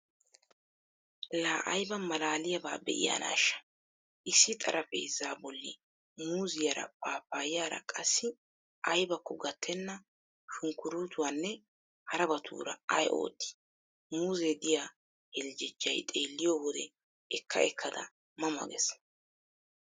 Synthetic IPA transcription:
laːʔɐjbɐmɐlaːlɪjɐbaːbɛ̰ʔɪ̰ja̰ːna̰ːʃːɐ̥ | ʔɪsːɪt̪ʼɐ̰ɾʔɐfɛjzaːbɔlːɪ̰ | muːzɪjaɐɾɐ̰paːpːaːjjaːɾɐ̰kʼɐsːɪ | ʔɐjbɐkːɔɡɐt̪ʰːɛnːɐ | ʃʊŋkʊɾuːt̪ʊwanːɛ | hɐɾɐbɐt̪ʰṵːɾɐ̰ɐjʔo̞̰ːt̪ːɪ̥ | muːzed̪ɪjaː | hɛld͡ʒɪd͡ʒːɐjt̪ʼeːlːɪjoːwɔd̪ɛ | ɛkːɐɛkʰːɐd̪ɐ̰ | mɐmɐ̰ɡɛs

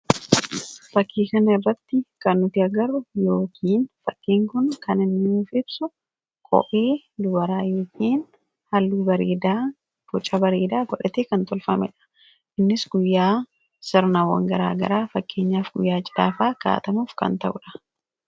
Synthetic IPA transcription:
fɐkʰːiːkɐnɐɪrːɐt̪ːɪkɐnːʊt̪ɪɐɡɐɾʊjoːkʰiːnfɐkːiːŋkʊnkɐnɪnːɪmuːfɪbsʊ | kʼɔ̰ʔeː | d̪ʊbɐɾaːjoːkʰiːn | hɐlːuːbɐɾḛːd̪a | bɔt͡ʃʼːɐbɐɾeːd̪aːɡɔᶑɐt̪eːkɐnt̪ɔlfɐmɛ̰ᶑɐ̥ | ʔɪnːɪsɡʊjːaː | sɪɾnawːɐ̰ŋɡɐɾa̰ːɡɐ̰ɾaːfɐkːe̞ːɲːaːfɡʊ̰jːaːd͡ʒɪᶑa̰ːfaːka̰ːt̪ɐmuːfkɐ̰nt̪ɐʔʊᶑɐ̥

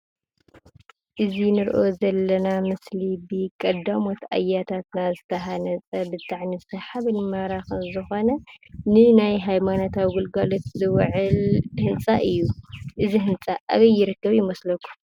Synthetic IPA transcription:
ʔɨzinɨɾʔo̞zɐlːɐnamɨslibɨkʼɐd̪amo̞t̪ʰa̰jːat̪ʰat̪nazɨt̪ʰɐɦanɐt͡sʼɐbɨt̪ʰʼaʕnisɐħaβɨnmaɾaxɨnzɨxo̞nɐnɨnajɦajmano̞t̪ʰawiɡulɡalo̞t̪zɨwʕɨlhɨnt͡sʼaʔɨjːuʔɨziɦɨnt͡sʼaʔa̰βɐjːɪɾɨkːɐβjɪmɐslɐkːu̥

